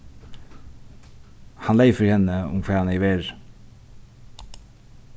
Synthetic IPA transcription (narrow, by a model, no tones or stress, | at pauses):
hɑnleɪfəɾhɛnəʊ̰mkʰʋɑːhɑneɪʋeːɾ